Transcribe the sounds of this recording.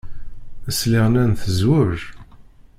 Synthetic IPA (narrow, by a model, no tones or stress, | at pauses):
əsliʁnænθəzwʊɾ